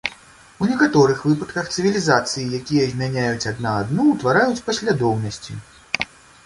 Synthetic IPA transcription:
unʲɛkat̪ɔɾɨxvɨpɐt̪kɐxt̪sɨvʲilʲizat̪sɨjijakʲijɐzʲmʲanʲajut͡sʲad̪naːd̪nuwt̪vaɾajut͡sʲpɐsʲlʲad̪ɔwnɐsʲt͡sʲḭ

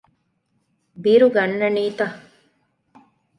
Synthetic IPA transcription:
biɾuɡɐnːɐniːt̪ɐ

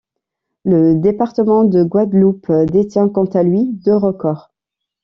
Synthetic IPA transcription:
ləd̪epaʁt̪əmɑ̃d̪əɡwad̪lupd̪et̪jɛ̃kɔ̃t̪alɥid̪øʁəkɔːʁ

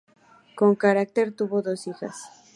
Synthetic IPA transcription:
ko̞ŋkaɾak̚t̪e̞ɾt̪uβoðo̞sixa̰s

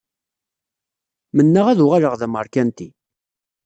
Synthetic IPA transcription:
mənːəʁæðʊʁaləʁðæməɾkænt̪i

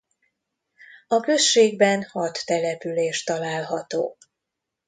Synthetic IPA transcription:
ɒkø̞ʃʃeːɡbɛnhɒt̪ːɛlɛpyleːʃt̪ɒlaːlɦɒt̪o̰ː

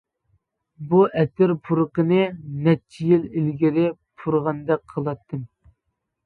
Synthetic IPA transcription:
buʔɛt̪ɪɾpʰuɾəqənɨnɛt͡ʃʰːijililɡʲiɾɪpʰuɾʁɑnd̪ɛk̚ʲqʰəlˠɑt̪ʰːɨm

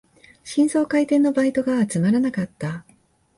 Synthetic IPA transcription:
ɕĩɰ̃so̞ːkait̪ẽ̞nːo̞bait̪o̞ɡaːt͡sɨmaɾanakat̪ːa

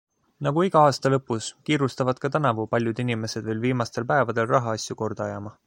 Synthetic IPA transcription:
nɑɡ̥uiɡ̥ɑɑːst̪ɑlɤpːˑuskiːɾust̪ɑvɑd̪̥̚kɑt̪ænɑvupɑlʲjud̪̥inime̞se̞d̪vejlviːmɑst̪e̞lpæe̞vɑd̪̥e̞lrɑɦɑɑsʲjuko̞rd̪̥ɑjɑmɑ

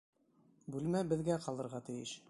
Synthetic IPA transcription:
bʉlmæbɘ̆ðɡæqɑlˠɤ̆ɾʁɑt̪ɘ̆jɘʃ

